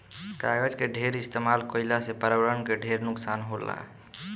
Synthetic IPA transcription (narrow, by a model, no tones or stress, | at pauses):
kaɡəd͡ʒkeɖʱeɾist̪emalkəɪlasepəɾawəɾənkeɖʱeɾnʊksanɦola̰